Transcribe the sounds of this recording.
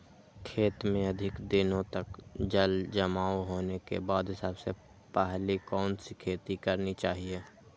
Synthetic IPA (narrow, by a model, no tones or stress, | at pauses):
kʰeːt̪mẽɐd̪ʱɪkd̪ɪnõt̪ɐkd͡ʒəld͡ʒɐmaːoɦoːnekḛbaːd̪ɦɪsaːbse | pəɦlikɔːnsikʰeːt̪ikəɾnit͡ʃaːɦieː